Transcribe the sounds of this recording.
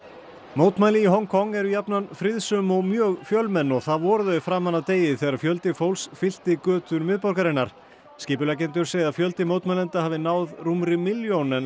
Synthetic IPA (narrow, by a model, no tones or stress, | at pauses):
moːwt̪maːjlɪiɦɔŋkʰɔŋːɛɾʏjapnanfɾɪðsʏmɔɣmjœːɣfjœlmɛnːɔɣθaðvɔːɾʏðœɪfɾaːmanːat̪eːjɪθɛːɣɾaɾfjœlt̪ɪfowlsfɪl̥t̪ɪkœːt̪ʏɾmɪðpɔɾkaɾɪnːaɾ̥ | scɪːpʏlac̬ɛnt̪ʏɾ̥seːɣðafjœlt̪ɪmoːwt̪majlɛnt̪ahaːvɪnaːwðrumɾɪmɪljownɛn